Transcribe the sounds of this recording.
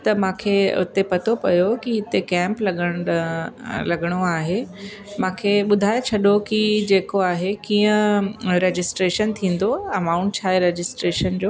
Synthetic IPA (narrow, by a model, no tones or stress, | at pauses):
t̪ɐmãːkʰeʊ̰t̪epɐt̪ʰopɐjokiɦɪt̪ekɛ̃ːmplɐɡəɽ̃ | lɐɡəɽ̃oaːɦe | mãːkʰeɓʊd̪ʱaːjet͡ɕʰɐɗokid͡ʑeːkoaːɦekĩːə̃ɾed͡ʑɪsʈɾeːʃənt̪ʰĩːn̆d̪oɐmaːʊ̃ɳʈ̚t͡ɕʰaːɦeɾed͡ʑɪsʈɾeːʃənd͡ʑoː